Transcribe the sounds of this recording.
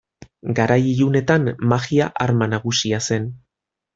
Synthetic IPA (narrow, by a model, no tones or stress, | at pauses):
ɡaɾajiune̞t̪anmaɣiaʔaɾmanaɣusiase̞n